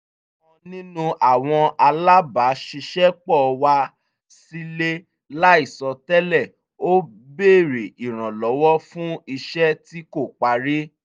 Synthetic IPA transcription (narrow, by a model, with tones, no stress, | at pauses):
ɔ̃˧nĩ˦nũ˧ʔa˦˨w̃ɔ̃˧a˧la˦ba˨˦ʃi˧ʃɛ˦k͡pɔ˦˨˧wa˧ | si˦le˦ | la˦i˦˨sɔ˧tɛ˦lɛ˦˨ | o˦ | be˦˨ɾe˨i˨ɾ̃ã˨lɔ˨˦wɔ˦fũ˦i˧ʃɛ˦ti˦ko˦˨k͡pa˧ɾe˦